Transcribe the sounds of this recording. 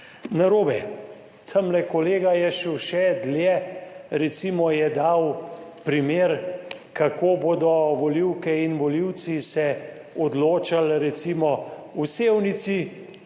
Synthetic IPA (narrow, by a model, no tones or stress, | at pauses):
naɾoːbɛ | t̪ʰəmlɛkɔleːɡajɛʃɛwʃɛd̪ljɛɾɛt̪simɔjɛd̪awpɾimeːɾ | kakoːboːd̪ɔʋɔliwkɛinʋɔliwt̪sisɛ | ɔd̪loːt͡ʃalɾɛt̪simɔ | useːwnit̪si